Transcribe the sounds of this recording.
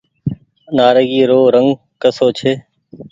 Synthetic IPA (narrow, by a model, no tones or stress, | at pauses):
naːɾəɡiːɾoːɾəŋɡ | kəsoːt͡ʃʰeː